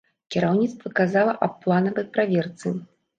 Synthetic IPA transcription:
kʲɛɾawnʲit̪st̪vɐkazalˠɐʔɐppːlˠanɐvɐjpɾavʲɛrt̪sɨ

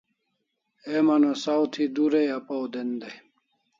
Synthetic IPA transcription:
emɐnosawt̪ʰid̪uɾejapawd̪end̪ej

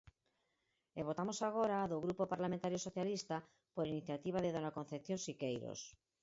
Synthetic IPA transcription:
eβot̪amosaɣ̞oɾaːðoɣɾupopaɾlamẽnt̪aɾjosoθjalist̪a | poɾiniθjat̪iβ̞aðeðonakon̟θepθjonsikejɾo̰s

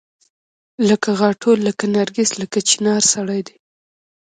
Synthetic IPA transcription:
ləkaɣɑʈʰoləkanaɾɡisləkat͡ʃi̥nɑɾsaɽajd̪e

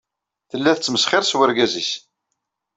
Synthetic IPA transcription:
θəlːæθət͡sːməsχɪɾswəɾɡæzis

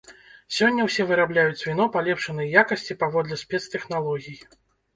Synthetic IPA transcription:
sʲɔnʲːɐwsʲɛvɨɾablʲajut͡sʲvʲin̪ɔpalʲɛpʂɐnɨjjakɐsʲt͡sʲipavɔd̪lʲɛsʲpʲɛt̪st̪ɛxnalˠɔɣʲiji

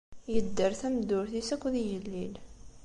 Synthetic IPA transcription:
jəd̪ːəɾθæmd̪ʊɾθisækʷːðijəlːil

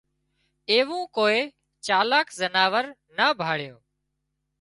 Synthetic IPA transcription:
eːʋũːkoːeː | t͡ʃaːlaːkzənaːʋəɾ | naːbʱaːɭjoː

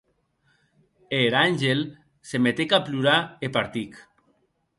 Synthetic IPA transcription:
eɾanʲʒel | semet̪ekapluɾaepaɾt̪ik

